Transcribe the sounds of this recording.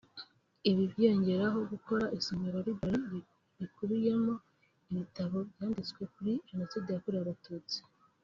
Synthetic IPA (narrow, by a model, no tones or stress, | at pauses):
iβibje̞ɲɟe̞ɾaɦo̞ɡuko̞ɾaʔisomeɾoɾibaɾi | βikuβije̞mo̞ | iβitaβo̞bjaːndit͡swe̞kuɾienasidejakuɾijaβatuːt͡si̥